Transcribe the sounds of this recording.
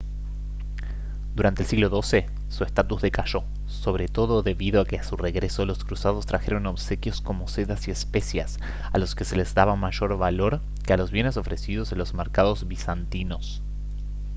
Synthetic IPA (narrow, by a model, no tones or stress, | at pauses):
d̪uɾant̪elsiɣlo̞ðo̞se̞ | suest̪at̪uzðe̞kaʃo̞ | so̞β̞ɾe̞t̪o̞ðo̞ðe̞βiðoake̞asure̞ɣɾe̞so̞lo̞skɾusað̞o̞st̪ɾaxe̞ɾo̞no̞βse̞kjo̞sko̞mo̞se̞ðasie̞spe̞sjas | alo̞ske̞se̞lezðaβamaʒo̞ɾβalo̞ɾ | kealo̞zβje̞ne̞so̞fɾe̞siðo̞senlozmeɾkaðo̞zβisant̪ino̞s